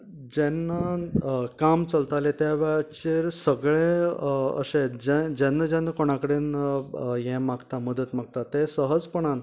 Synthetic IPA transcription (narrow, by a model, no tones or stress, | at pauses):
d͡ʑɛnːa | kamt͡səlt̪alet̪jaʋɛɭt͡ɕeɾsəɡɭeə̰ɕẽd͡ʑɛ̃d͡ʑɛ̃nːəd͡ʑɛ̃nːəkoɽ̃akəɽin | jɛ̃maɡt̪aməd̪ət̪maɡ̚t̪at̪esəɦəd͡zpəɳ̃an